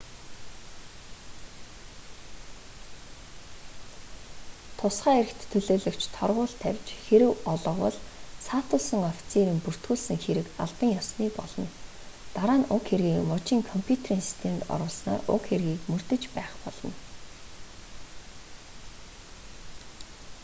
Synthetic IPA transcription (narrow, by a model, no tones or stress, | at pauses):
t̪ʰʊsχaːeɾɘ̆kt̪ʰːɵɮoːɮɵ̆kt͡ɕʰt̪ʰɔ̰rʁʊːɮt̪ʰæwʲt͡ɕxeɾɘ̆wɔɮɞ̆qwɔ̰ɮsʰat̪ʰʊsə̆ŋɔfʲi̥t͡sʰeɾĭmpur̥t̪ɡuːɮsɘ̆ŋxeɾɘ̆ka̰ɮpə̆ŋjasniːpɔ̰ɮɞ̆n | t̪aɾaːnʊkxerɣiːkmɔt͡ɕiːŋkʰɔmpʰjut̪ʰeriːŋsi̥st̪ʰemt̪ɔ̰ɾʊːɮsna̰ːrʊ̰kxerɣiːkmɵr̥t̪ɘ̆t͡ɕpæːχpɔɮ̥ɞ̆n